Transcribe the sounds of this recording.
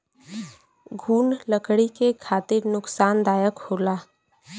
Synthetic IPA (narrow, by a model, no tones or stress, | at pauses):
ɡʱuːnləkɽikekʰaːt̪ɪɾnʊksaːnd̪aːjəkhoːlaː